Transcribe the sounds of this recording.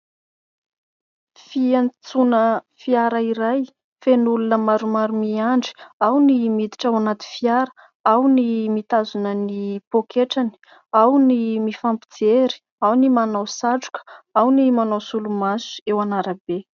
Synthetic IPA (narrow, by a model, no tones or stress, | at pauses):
fiant͡sunə | fiaɾəiɾaj | fenulunəmaɾumaɾumiaɳɖ͡ʐi̥awnimid̪i̥ʈ͡ʂawanat̪i̥fiaɾə̥ | awnimit̪azunənipokʰeʈ͡ʂani̥ | awnimifampid͡zeɾi̥ | awnimanawsaʈ͡ʂu̥kə̥awnimanawsulumasu̥ewanaɾəbe